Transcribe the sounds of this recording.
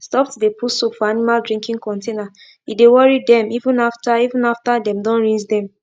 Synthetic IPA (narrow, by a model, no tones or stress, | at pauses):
stɔp̚tdepʰusokfɔanimaldɹĩŋkĩŋkɔ̃ntena | idewɔɹidɛ̃mivũnaftaivũnaftadɛ̃mdɔ̃nɹĩd͡ʒdɛ̃m